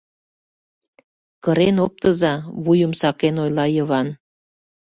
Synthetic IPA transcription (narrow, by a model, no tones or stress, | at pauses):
kəɾenop̚t̪əzɑβujəmsɑkenojlɑjəβɑn